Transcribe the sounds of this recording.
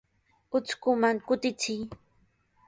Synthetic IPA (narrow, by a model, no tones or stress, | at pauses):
ʊt͡skʊmaŋkʊt̪ɪt͡sɪj